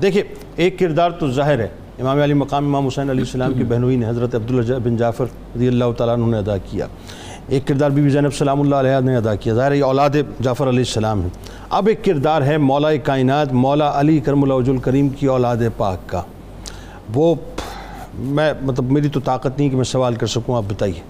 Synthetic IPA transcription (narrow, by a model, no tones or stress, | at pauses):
d̪eːkʰie | eːkːɪɾd̪aːɾt̪ozaːɦɪɾɦɛ̰ | ɪmaːmeaːlimɐqaːmɪmãːmɦʊsɛːnɐlɛsːɐlaːmkibɛɦnoːineɦɐzɾət̪ɐb̚d̪ʊlbɪnd͡ʒaːfɪɾ | ɾɐd̪ijɐlːaːɦʊt̪aːlaːɐnɦõneɐd̪akija̰ː | eːkːɪɾd̪aːɾbiːbizɛːnəbsɐlaːmʊlːalejaneɐd̪akijazaːɦɪɾɦɛjɔːlaːd̪ed͡ʒaːfɪɾɐleːsːɐlaːmɦɛ̃ | ɐbeːkːɪɾd̪aːɾɦɛmɔːlaekaːɪnaːt̪mɔːlaʔɐlikɐɾmʊlɐʋd͡ʒʊlkɐɾiːmkiɔːlaːd̪epaːkːa̰ː | ʋoː | mɛ̃ːmɐt̪ləbmeːɾit̪ot̪aːqət̪nɐɦĩkemɛ̃sɐʋaːlkɐɾsɐkũaːpbɐt̪aːḭeː